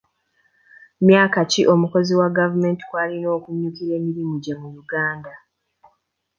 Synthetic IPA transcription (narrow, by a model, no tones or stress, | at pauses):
mjaːkaciʔo̞muko̞ziwaɡavume̞ːnti̥kwaːlino̞ːkuɲːukiɾe̞ːmiɾimuɟamujuɡaːnda